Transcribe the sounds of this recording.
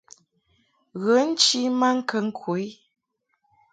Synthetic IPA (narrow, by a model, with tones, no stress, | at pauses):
ɣə˨˦n̩˦t͡ʃi˦ma˦ŋ̩˦kə˨ŋ̩˦kʰu˨˦j